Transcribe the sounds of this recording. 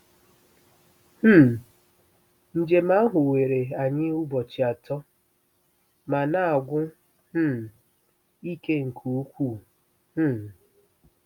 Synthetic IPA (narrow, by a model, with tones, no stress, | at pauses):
h̩˦˨ | n̩˨d͡ʒe˨ma˦a˦ɦʊ˨we˨ɾe˨a˨ɲɪ˦ʊ˦bɔ˨t͡ʃi˨a˨tɔ˦ | ma˨na˦a˨ɡʷʊ˦ | h̩˦˨ | i˦ke˦ŋ̩˨kʰu˨u˦kʷu˦˨ | h̩˦˨